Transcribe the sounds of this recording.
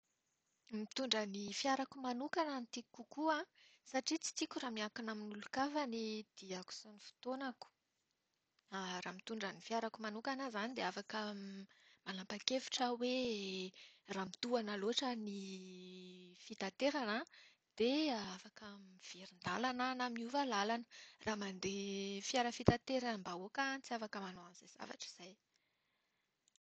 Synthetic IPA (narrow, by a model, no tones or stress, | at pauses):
mit̪uɳɖ͡ʐənifiaɾakumanukanənit̪ikukuãsaʈ͡ʂit͡si̥t̪ikʲuramiakunaminulukavənid̪̥iaku̥sonifi̥t̪onaku̥ | aramit̪uɳɖ͡ʐənifiaɾakumanukanəzanid̪eafakə | manlampakefi̥ʈ͡ʂəwe | raːmit̪uanəloaʈ͡ʂəni | fit̪at̪eɾanə | d̪̥eafakəmiv̥eɾind̪alananamiuvalalanə̥rʔaːmand̪efiaɾəfit̪at̪eɾambaokant͡siafakəmanoanzejz̥a̰va̰ʈ͡ʂi̥z̥aj